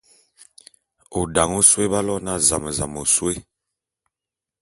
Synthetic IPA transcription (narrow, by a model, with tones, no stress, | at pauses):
o˨da˨ŋo˦swe˦ba˦lɔ˦na˦˨za̰˨mə˨za˨mo˨swe˦